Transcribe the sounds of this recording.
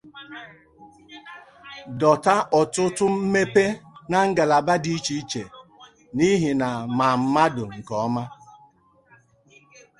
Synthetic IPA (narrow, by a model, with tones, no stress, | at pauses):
dɔ˨ta˦ʔɔ˨tʊ˦tʊ˦m̩˦me˦pe˦na˨ŋ̩˦ɡa˨la˨ba˦di˦t͡ʃi˨˦t͡ʃe˨ | ni˦ɦi˨na˨ma˨m̩˦ma˦dʊ˨ŋ̩˨kɔ˨˦ma˦